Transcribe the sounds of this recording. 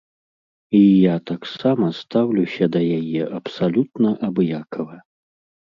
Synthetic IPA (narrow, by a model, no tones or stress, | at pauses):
ijat̪aksamɐst̪awlʲusʲɐd̪ɐjajɛʔɐpsalʲut̪̚nɐʔɐbjakʰɐvɐ